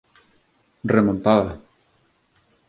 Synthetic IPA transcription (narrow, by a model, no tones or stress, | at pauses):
remõnt̪aða